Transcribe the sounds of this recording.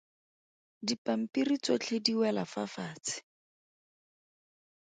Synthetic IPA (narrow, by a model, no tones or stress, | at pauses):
dipam̩pirit͡sɔt͡ɬʰediwɛlafafaːt͡sɪ̥